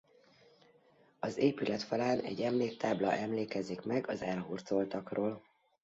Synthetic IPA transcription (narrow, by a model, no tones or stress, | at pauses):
ɒzeːpylɛt̪fɒlaːnɛ̰ɟːɛmleːk̚t̪aːblɒʔɛmleːkɛzikmɛɡɒzɛlɦurt̪solt̪ɒkroːl